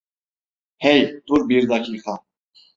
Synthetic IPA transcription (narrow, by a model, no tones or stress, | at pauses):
hejt̪uɾbiɾd̪akʰixa